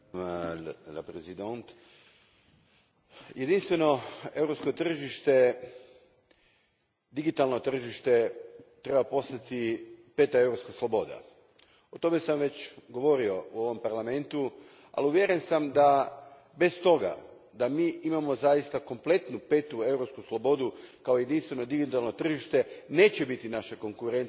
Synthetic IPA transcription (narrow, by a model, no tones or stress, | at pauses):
la̰pɾezid̪ont̪ | jed̪inst̪ʋe̞no̞e̞wɾopsko̞t̪r̩ʒiʃt̪e | d̪iɡit̪alˠno̞t̪r̩ʒiʃt̪e̞t̪ɾe̞bapo̞st̪at̪ipe̞t̪aewɾopskaslˠobo̞d̪a̰ | o̞t̪o̞me̞samʋe̞t͡ɕɡo̞ʋo̞ɾio̞uo̞ʋo̞mpaɾlˠame̞nt̪u | a̰liuʋjeɾensamd̪a | be̞st̪o̞ɡa̰ | d̪amiːimamo̞zaist̪ako̞mple̞t̪nupe̞t̪ue̞wɾo̞pskuslˠo̞bo̞d̪ukaoje̞d̪inst̪ʋe̞no̞d̪iɡit̪alˠno̞t̪r̩ʒiʃt̪e̞ne̞ːt͡ɕe̞bit̪inaʃeko̞ŋkuɾent̪